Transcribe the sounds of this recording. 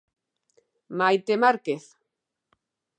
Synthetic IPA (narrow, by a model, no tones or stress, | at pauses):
majt̪emaɾkeθ